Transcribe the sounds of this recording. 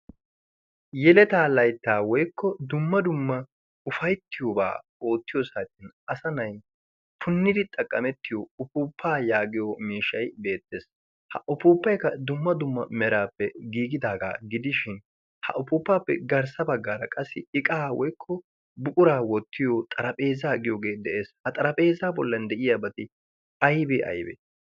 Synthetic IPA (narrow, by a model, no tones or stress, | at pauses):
jɛlɛt̪aːlɐjt̪ːaːwɔjkːɔd̪ʊmːɐd̪ʊmːɐ | ʊfɐjt̪ʰːɪjoːba̰ːo̞ːt̪ːɪjosaːt̪ːɪnɐsɐnɐj | pʰʊnːɪd̪ɪt̪ʼɐkʼːɐmɛt̪ːɪjoʊpuːpʰːaːjaːɡɪjomiːʃːɐjbe̞ːt̪ːeːs | hɐ̰ʔʊpuːpːɐjkɐd̪ʊmːɐd̪ʊmːɐ̰mɛɾaːpːɛɡiːɡɪd̪aːɡa̰ːɡɪd̪ɪʃɪn | hɐ̰ʔʊpʊːpːaːpːɛ̰ɡɐɾsɐbɐɡːaːɾɐ̰kʼɐsːɪɪkʼaːwɔjkʰːɔ | bʊkʼʊɾaːwɔt̪ʰːɪjot̪ʼɐɾɐpʼe̞ːzaːɡɪjoːɡe̞ːd̪ɛʔe̞ːshɐt̪ʼɐɾɐpʼe̞ːzaːbɔlːɐnd̪ɛʔɪjaːbɐt̪ɪ | ɐjbeʔɐ̰jbḛː